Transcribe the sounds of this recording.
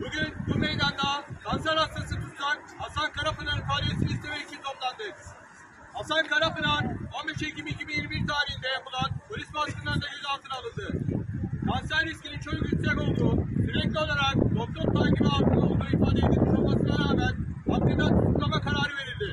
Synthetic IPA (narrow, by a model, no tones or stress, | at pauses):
buɟʲynbumejd̪and̪akʰansæɾast̪asɯt̪ut̪k̪ʰanhasankʰaɾafɯnanɯnfʰaːlʲijesinist̪ʰemɛit͡ʃʰint̪ʰo̞plˠand̪ɯ | hasankaɾafɯnanalbeʃeicimicimijiɾmiɾt̪ʰaːɾihind̪ɛjapɯlˠanbulʲisbask̪ɯnd̪aɾd̪aɟøzalˠt̪ʰɯnalˠɯnd̪ɯ | kʰansæɾːiscʲʰinint͡ʃʰo̞d͡ʒukit̪sɛko̞lˠd̪uːt̪yɾɛclʲio̞lˠaɾak̚b̪o̞k̚t̪ʰo̞p̪̚t̪anɟibiak̪ɯnao̞lˠmajifaːd̪ed̪imʰuolˠmasɯnaɾaːmæn | ak̪ːɯnd̪ant̪ut̪lˠamakʰaɾaːɾɯve̞ɾilʲd̪i